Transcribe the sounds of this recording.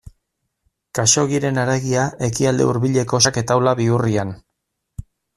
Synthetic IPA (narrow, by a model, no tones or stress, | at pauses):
kaʃo̞ɣiɾe̞naɾeɣiaʔe̞kiald̪e̞̰uɾβiʎe̞ko̞ʃake̞t̪awlaβiurian